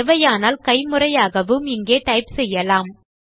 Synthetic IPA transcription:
ɛʋɐjaːnaːlkɐɪmɯrɐjaːɣɐʋɯmɪŋɡeːʈɐɪpsɛjːɐlaːm

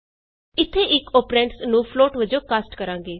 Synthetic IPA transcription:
ɪt̪ʰːeːʔɪkoːpɾɛ̃ːɳʈsnũːpʰloːʈʋəd͡ʒõːkaːsʈkəɾãːŋ̆ɡeː

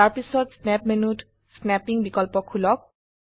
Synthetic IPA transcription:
aɹpisɔtsnɛpmenut | snɛpiŋbikɔlpɔkʰːulɔk̚

